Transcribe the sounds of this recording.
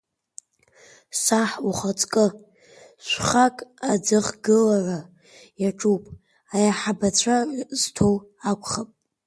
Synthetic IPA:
saħuχat͡sʼkʼɨ | ʃʷχakʼad͡zɨχɡɨlara | jaʈ͡ʂʼupʼ | ajaħabat͡ɕʷʰarztʰowakʷʰʼχapʼ

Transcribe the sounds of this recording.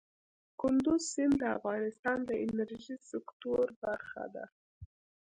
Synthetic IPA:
kʊnd̪ʊzsɪnd̪əa̰fɣɑnɪst̪ɑnd̪əʔɪnaɾʒisɪkt̪oɾbaɾxa̰d̪a̰

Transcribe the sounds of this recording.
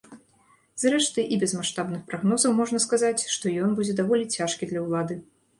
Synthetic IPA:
zrɛʂt̪ɨʔibʲɛzmaʂt̪abnɨxpɾaɣnɔzɐwmɔʐnɐskazat͡sʲʂt̪ɔjɔnbud͡zʲɛd̪avɔlʲit͡sʲaʂkʲid̪lʲɐwlˠad̪ɨ

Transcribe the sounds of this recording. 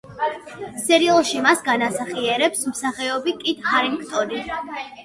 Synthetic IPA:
sɛɾialˠʃimasɡanasaχiɛɾɛpsmsaχɛɔbikʼid̪haɾimkʰt̪ʼɔd̪i

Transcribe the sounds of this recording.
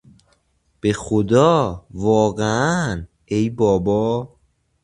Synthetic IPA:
b̥e̞xod̪ɒːvɒːɣeæn | e̞jbɒːbɒː

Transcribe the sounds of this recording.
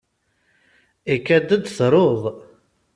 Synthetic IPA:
ikːæd̪əd̪θɾˤoðˤ

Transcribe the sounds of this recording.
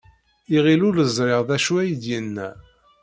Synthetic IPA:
iʁiluləzˤɾeʁðæʃuæjd̪jənːæ̰

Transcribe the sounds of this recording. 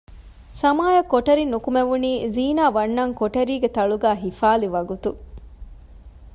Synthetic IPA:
sɐmaːjɐkːoʈɐɾinːukumeʋuniːziːnaːʋɐnːɐŋkoʈɐɾiːɡet̪ɐɭuɡæːɦifaːliʋɐɡut̪u

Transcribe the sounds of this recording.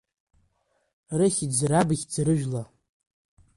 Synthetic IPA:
rɨχʲid͡zrabɨɣʲd͡zɾɨʒᶣla

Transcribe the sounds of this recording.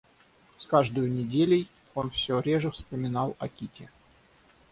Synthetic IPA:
skaʐd̪əjʊnʲɪdʲelʲɪj | o̞nfsʲɵɾʲeʐəfspəmʲɪnɑlˠɐ̰kʲitʲɪ

